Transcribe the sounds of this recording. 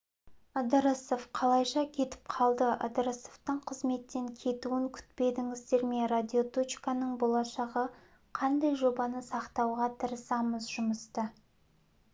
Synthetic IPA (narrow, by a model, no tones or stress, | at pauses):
əd̪əɾəsofqʰɑlˠɑjʃɑkʲʰe̞t̪ɪ̥p̚qʰɑlˠd̪əʔə̰d̪əɾəsoft̪əɴqʰəzme̞t̪ːe̞ŋkʲʰe̞t̪uɪŋkʲʰʏ̥t̪pe̞d̪ɪŋɪzd̪e̞ɾme̞rad̪ʲiot̪ot͡ʃkanəɴbo̞lˠɑʃɑʁə | qʰɑnd̪ɑjʒo̞bɑnəsɑqt̪ɑwʁɑt̪ʰəɾəsɑməzʒʊməst̪ə